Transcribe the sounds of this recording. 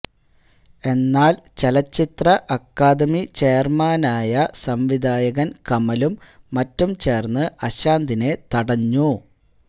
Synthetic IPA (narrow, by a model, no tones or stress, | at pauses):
e̞nːaːlt͡ɕelɐt͡ɕːit̪rɐʔɐkːaːd̪ɐmit͡ɕe̞ːrmaːnaːjɐsɐmʋid̪ʱaːjɐɣɐnkɐmɐlumː | ɐtːumt͡ɕe̞ːrnːɨʔɐɕaːnd̪ine̞t̪ɐɽɐɲːu